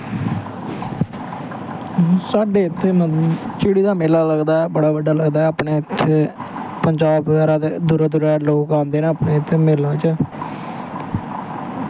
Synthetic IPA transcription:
saːɖeːɪt̪ʰːeːmət͡ʃɪːɽiːd̪aːmeːlaːləɡd̪aːɛːbəɽaːʋəɖaːləɡd̪aːɛːapɳeːɪt̪ʰːeː | pəɲd͡ʒaːbʋəɡaːɾaːt̪ed̪uːɾaːd̪uɾaːloːkãːnd̪eːnãːəpneːɪt̪ʰːeːmeːlaːt͡ʃaː

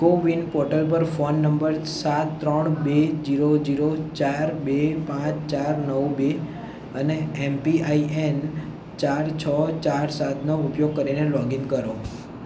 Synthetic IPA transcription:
koʋinpɔɾʈəlp̬əɾfonːəmbəɾsat̪ːɾəɳbed͡ʒiɾod͡ʒiɾot͡ʃaɾbepãt͡ʃt͡ʃaɾnəwbe | əneempiaiʔen | t͡ʃaɾt͡ʃʰət͡ʃaɾsat̪noʊpjoɡ̚kəɾinelɔɡiŋɡkəɾo

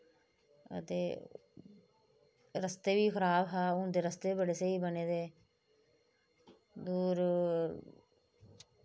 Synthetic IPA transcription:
ə̰t̪ḛː | ɾəst̪eːbiːkʰəɾaːbɦaːʊd̪eːɾəst̪eːbəɽeːseiːbəneːd̪eː | d̪uːɾ

